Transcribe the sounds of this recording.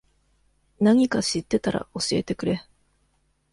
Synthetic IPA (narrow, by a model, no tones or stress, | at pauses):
naɲ̟ikaɕit̪ːe̞t̪aɾa̰o̞ɕie̞̰t̪e̞kɯ̟ɾe̞